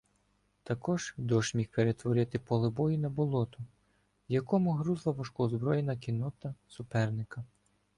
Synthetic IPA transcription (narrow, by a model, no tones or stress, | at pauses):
t̪ɐkɔʒ̥d̪ɔʃmʲixpeɾet̪ʋɔɾɪt̪ɪpɔlˠɪbɔjinɐbɔlˠɔt̪ʊ | jɐkɔmʊɦɾuzlˠɐʋɔʃkɔzbɾɔjenɐkʲinɔt̪ɐsʊpɛrnɪkɐ